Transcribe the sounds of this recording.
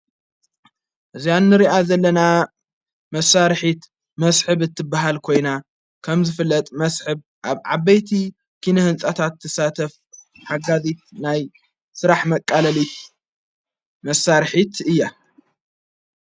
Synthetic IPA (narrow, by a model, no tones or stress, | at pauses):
ʔɨzianːɨɾiʔazɐlːɐna | mɐsaɾħit̪ | mɐsħɨβɨt̪ʰːɨbːaɦalkʰo̞jna | kʰɐmzɨfɨlːɐt̪ʼmɐsħɨβ | ʔaβʕaβɐjt̪ʰi | kʰinɐhɨnsʼɐt̪ʰat̪ʰːɐsat̪ʰɐf | ħaɡazit̪̚naj | sɨɾaħmɐkʼːalɐlit̪ | mɐsaɾħit̪ʰɨjːa